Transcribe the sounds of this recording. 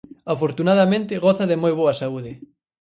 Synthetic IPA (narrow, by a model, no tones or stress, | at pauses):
afoɾt̪unaðɐmẽnt̪ɪɣɔθɐðɪmojβoɐsauðɪ